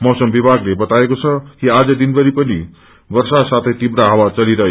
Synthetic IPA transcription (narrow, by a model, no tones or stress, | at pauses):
mʌwsʌmbibʱaɡlebʌt̪aekot͡sʰʌkiad͡zʌd̪inbʌɾipʌni | bʌrsasat̪ʰʌjt̪ibɾaɦʌwat͡sʌliɾʌ